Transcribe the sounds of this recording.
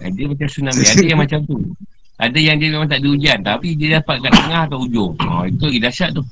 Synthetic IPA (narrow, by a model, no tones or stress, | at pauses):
a̰diəmat͡ʃamsunamiadajaŋmat͡ʃamt̪u | ʔa̰dajaŋdiəmemãŋt̪aʔdiud͡ʒiant̪apidiədapat̪̚kant̪əŋahat̪awud͡ʒʊŋɔ̰it̪uidasaʔt̪ʊh